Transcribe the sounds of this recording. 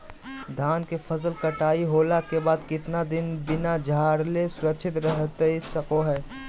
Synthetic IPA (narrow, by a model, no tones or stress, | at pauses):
d̪ʱaːnkefʰɐzəlkɐʈaːiɦoːlakebaːd̪kɪt̪nad̪ɪnbɪnad͡ʒʱaːɾlesʊɾəkːʃʰɪt̪ɾɛɦt̪eisɐkoɦɛː